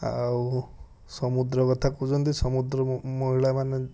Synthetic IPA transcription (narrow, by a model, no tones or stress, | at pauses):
a̰u | sɔmud̪ɾɔkɔt̪ʰakud͡ʒɔnt̪isɔmud̪ɾɔmɔɦiɭamane